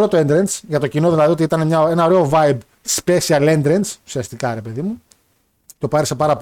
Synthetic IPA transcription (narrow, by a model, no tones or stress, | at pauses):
ɾo̞t̪oe̞nd̪ɾensʝɐt̪o̞cino̞ðilɐðio̞t̪iit̪ɐne̞mɲɐe̞nɐo̞ɾe̞o̞vɐjb | spe̞siɐlend̪ɾensu̥siɐst̪ikɐɾe̞pe̞ðimu | t̪o̞pɐɾisɐpɐɾɐp